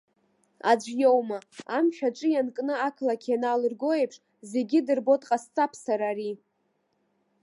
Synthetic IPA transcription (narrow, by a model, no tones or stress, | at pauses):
a̰d͡ʒʷjowmaamʃᶣaʈ͡ʂʼɨjankʼnɨakʰlakʰʲanalɨrɡo̞jepʰʂ | ze̞ɡʲidɨrbo̞tʼqʼast͡sʼapʰsaɾaːɾi